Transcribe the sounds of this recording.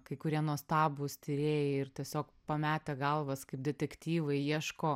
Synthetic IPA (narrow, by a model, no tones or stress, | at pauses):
kɐɪkʊɾʲiɛnuɔst̪ɑːbʊːst̪ʲɪɾʲeːjɛɪrt̪ʲiɛsʲoːkpɐmʲæːt̪ʲɛɡɐlˠʋɐskɐɪp̚d̪ʲɛt̪ʲɛkt̪ʲiːʋɐɪiɛʃkoː